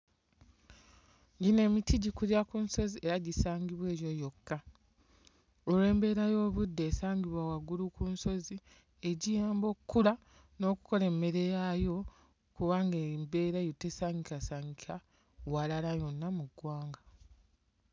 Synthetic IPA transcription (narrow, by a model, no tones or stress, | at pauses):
ɲɟine̞ːmitiɟikuljakunso̞ziʔeɾaɟisaːɲɟiβwe̞ːjo̞jo̞kːa | ole̞ːmbe̞ɾajo̞ːβudːe̞ːsaːɲɡiβwawaɡulukunso̞zi | e̞ɟijaːmbo̞kːula | no̞ːku̥ko̞le̞mːe̞ɾe̞jajo̞ | kuβaŋɡembe̞ːɾajutːesaːŋɡikasaːɲɡika | walalajo̞nːamuɡːwaːŋɡa